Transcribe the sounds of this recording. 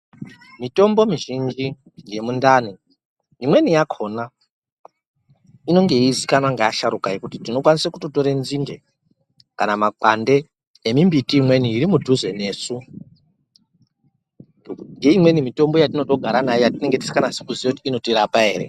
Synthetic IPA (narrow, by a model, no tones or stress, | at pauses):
mito̞mbo̞miʒind͡ʒi | je̞mundani | imwe̞nijakʰo̞na | ino̞ŋɡe̞izikanwaŋɡajaʃaɾukajekutitino̞kwanisakutoto̞ɾenzinde̞ | kanamakande̞ | emimbitiːmwe̞niːɾimudʱuze̞ne̞ːsu | ŋɡe̞imwe̞nimito̞mbojatino̞to̞ɡʱaɾanajejatine̞ŋɡe̞ti̥si̥kanasekuzieutiːno̞tiɾapae̞̰ːɾe̞̰